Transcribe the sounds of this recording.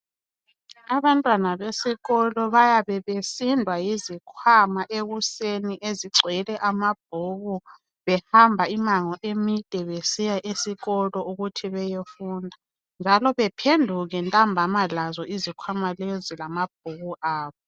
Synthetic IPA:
aβantʼwanaβesiɣɔlɔβajaβɛβesindʱwajizikʰwamaʔeɣuseniʔeziǀʱwɛlɛʔamab̥̚ʱuɣu | βɛhambʱaimaŋɔʔemid̥ʼʱɛβesijaʔesiɣɔlɔuɣutʰiβɛjefuːndʱa | nd͡ʒʱalɔβɛpʰendʱuɣɛntʼambʱamalazɔizikʰwamalezilamab̥̚ʱuɣuʔaːβɔ

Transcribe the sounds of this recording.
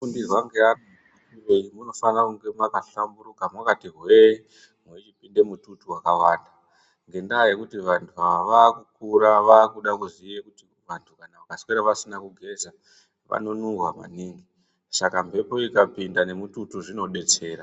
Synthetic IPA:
fundirwaŋɡeano | ireimuno̞fanrakuŋɡe̞makaɬambuɾukamwakatirwe | mwet͡ʃipinde̞mututuwakawaːnda | ŋɡe̞ndaːje̞kutiʋantʰuaʋaʋaːkukuɾaʋaːkuɗakuzijekuti | ʋantʰukanaʋakasweɾaʋasinakuɡʱe̞za | ʋa̰no̞nuŋɡwama̰niːŋɡi | sakampe̞po̞ikapindane̞mututuʐino̞ɗe̞t͡se̞ːɾa

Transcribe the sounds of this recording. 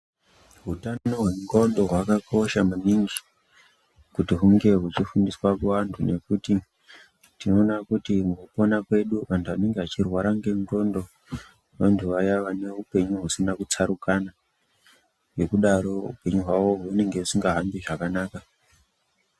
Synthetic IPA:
ɦutanoɦwe̞ŋɡo̞ndo̞ɦwakakʰo̞ʃamuniŋɡi | kutiɦuŋɡe̞ɦut͡ʃifundiswakuʋantʰune̞kuti | tino̞ːnakutimukupo̞nakwe̞ɗuʋantʰuʋane̞ŋɡeɦat͡ʃirwaɾaŋɡe̞ŋɡo̞ndo̞ | ʋantʰuʋajaʋane̞upe̞ɲuɦusinakut͡saɾukana | we̞kuɗaɾo̞ṵpe̞ɲuɦwaʋo̞ɦune̞ŋɡeusiŋɡaɦambiʐakanaːka

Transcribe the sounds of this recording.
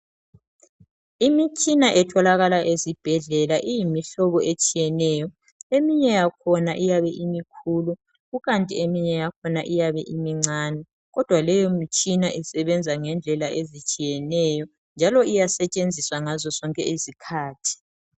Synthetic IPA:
imit͡ʃʼinaʔɛtʰɔlaɣalaʔezib̥ʱɛɮɛlaʔijimiɬɔβɔet͡ʃʼijɛnɛjɔ | emiɲɛjakʰɔnaʔijaβɛʔimikʰuːlu | ɣuɣantʼiemiɲɛjakʰɔnaʔijaβɛʔimiŋ͡ǀʱaːnɛ | ɣɔd̥ʱwalɛjomit͡ʃʼinaʔisɛβɛnd͡zʱaŋɛnd͡ɮʱɛlaʔezit͡ʃʼijɛnɛjɔ | nd͡ʒʱalɔijasɛt͡ʃʼend͡zʱiswaŋazɔsɔŋkʼɛisikʰaːtʰi̥

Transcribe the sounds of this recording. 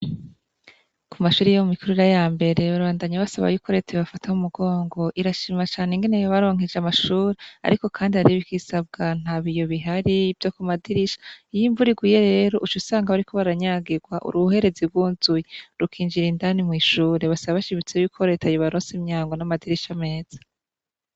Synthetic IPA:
kumaʃuːɾijomumikʰuɾuiɾajaːmbe̞ɾe̞βaβaːndaɲaβasaβa̰juːko̞ɾe̞tʰaiβafatʰahumuɡo̞ːŋɡo̞ʔiɾaʃiːmat͡ʃaːneŋɡe̞nejoβaɾo̞ːŋ̥id͡ʒamaʃuːɾea̰ɾiko̞kʰaːndihaɾiβikisab̚ɡan̥aːβijo̞βiɦaɾivjokumadiɾiʃḁijiɱvuɾiɡuje̞ɾe̞ːɾo̞ʔut͡ʃusaːŋɡaβaɾikʰo̞βaɾaɲaːɡiɾɡwaʔṵɾuhe̞ɾe̞ziɡwuːnzujeɾukʰiːnd͡ʒiɾindanimŋiːʃuːɾeβasaβaβaʃiβit͡sejukʰo̞ɾe̞tʰajoβaɾoːnsemɲaːŋɡonamadiɾiʃame̞ːz̥ḁ

